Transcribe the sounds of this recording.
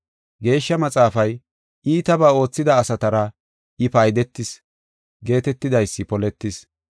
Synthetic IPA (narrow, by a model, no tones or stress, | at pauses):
ɡe̞ːʃːɐmɐt͡sʼaːfɐj | ʔiːt̪ɐbaːo̞ːt͡sːɪd̪ɐːsɐt̪ɐɾɐ | ɪfɐjd̪ɛt̪ːɪs | ɡe̞ːt̪ɛt̪ːɪd̪ɐjsːɪpɔlɛt̪ːɪs